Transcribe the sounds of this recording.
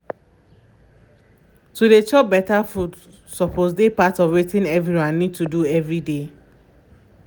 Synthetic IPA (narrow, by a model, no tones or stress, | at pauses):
tuɾet͡ʃɔp̚bɛtafud | sɔpʰozdepatɔvwetĩnɛvɹɾiwãnːid̚tuduɛvɹide